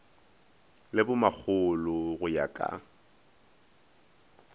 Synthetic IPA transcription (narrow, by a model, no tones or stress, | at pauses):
lɪbʊmak͡xʰʊlʊɣʊja̰kʼa̰